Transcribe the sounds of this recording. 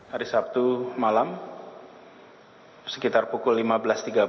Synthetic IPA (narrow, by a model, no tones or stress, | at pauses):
haɾisap̚t̪umalam | sə̥kit̪arpukʊlːimabəlast̪iɡa